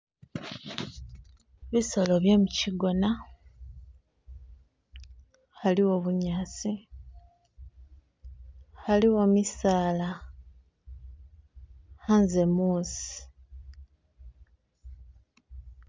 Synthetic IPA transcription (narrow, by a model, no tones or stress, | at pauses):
βiso̞lo̞βjo̞muciɡo̞na | haliwo̞βuɲaːsi | xaliwomisaːla | hanzemuːsi̥